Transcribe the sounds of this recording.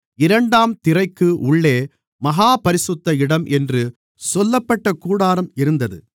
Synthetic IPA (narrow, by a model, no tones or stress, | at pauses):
ɪɾɐɳɖaːmt̪ɪrɐɪkːɯʔʊɭːeː | mɐɣaːpɐɾɪsɯt̪ːɐɪɽɐmʔɛndrɯ | sɔlːɐpːɐʈːɐkuːɽaːɾɐmɪɾɯnd̪ɐðɯ̰